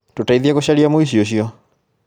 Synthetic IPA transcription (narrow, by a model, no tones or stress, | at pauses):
tutaiðiakuʃaliamoiʃ̬iɔʃiɔ